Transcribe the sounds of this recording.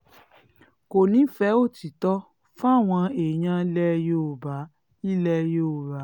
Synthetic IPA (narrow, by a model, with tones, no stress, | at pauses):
ko˨nĩ˨˦fɛ˨˦o˦˨ti˨tɔ˦ | fa˦a˦˨w̃ɔ̃˧e˨j̃ã˧˦lɛ˦jo˦˨ba˨˦ | i˦lɛ˧˦jo˦˨ɾa˨˦